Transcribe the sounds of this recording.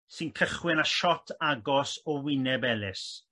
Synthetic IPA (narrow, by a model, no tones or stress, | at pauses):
sɨnkʰəχwɪnaʃɔtʰaɡɔsɔwɪnɛbɛlɪs